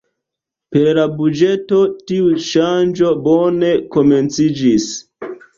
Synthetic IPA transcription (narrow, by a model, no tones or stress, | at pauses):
peɾlabud͡ʒe̞to̞tiuʃand͡ʒo̞bone̞ko̞ment͡sid͡ʒis